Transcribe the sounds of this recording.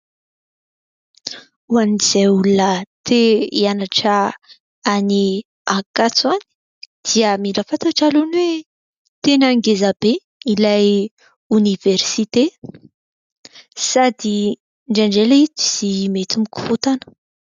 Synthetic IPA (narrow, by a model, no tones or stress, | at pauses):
uaniz̥eulunət̪ʰeianaʈ͡ʂə | ani | akat͡sani̥ | d̪̥iəmilafat̪aʈ͡ʂalunwe | t̪enəŋɡezab̥e | ilaj | univeɾsit̪e | sad̪i | ɳɖ͡ʐaɳɖ͡ʐeleit̪i̥z̥imet̪imiku̥fut̪anə̥